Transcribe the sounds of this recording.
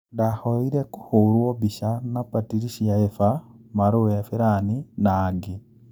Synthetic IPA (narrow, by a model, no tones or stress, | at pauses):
dahoiɾeku̥huɾwobiʃanapatiɾiʃiaefamaɾoafiɾaninaːɡi